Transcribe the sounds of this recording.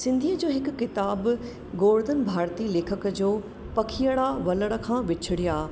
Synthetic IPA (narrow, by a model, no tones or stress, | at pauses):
sɪ̃nd̪ʱiəd͡ʑoːɦɪkʊːɪt̪aːb | ɡoːɾd̪ənbʱaːɾt̪ileːkʰəkəd͡ʑoː | pɐkʰijəɽaʋɐləɽə̆kʰãːʋɪt͡ɕʰɪɽijaː